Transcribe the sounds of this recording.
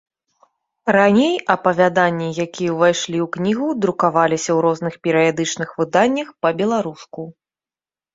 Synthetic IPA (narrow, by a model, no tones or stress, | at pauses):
ɾanʲejɐpɐvʲad̪anʲːijakʲijɐvajʂlʲiwknʲiɣud̪ɾukavalʲisʲɐwɾɔznɨxpʲɛɾɨjad̪ɨt͡ʂnɨxvɨd̪anʲːɐxpɐbʲɛlˠaɾusku